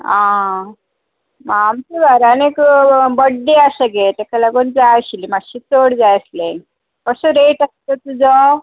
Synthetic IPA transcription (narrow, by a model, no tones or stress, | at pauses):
ã | maːmt͡ɕiʋaɾanekbəɽːeasəɡet̪ekalaɡond͡zaɕilimaɕit͡soɽd͡zajəslẽ | kəsũɾeʈast̪ət̪ud͡zɔ